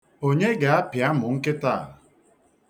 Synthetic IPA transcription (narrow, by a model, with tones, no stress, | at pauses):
o˦ɲe˦ɡa˨a˦pja˦mʊ˨ŋ̩˦kɪ˦ta˦˨